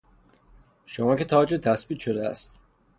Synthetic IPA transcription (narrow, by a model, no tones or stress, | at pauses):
ʃomɒːcʰe̞t̪ʰɒːd͡ʒet̪ʰæsbiːt̪ʃo̞d̪eæ̰st̪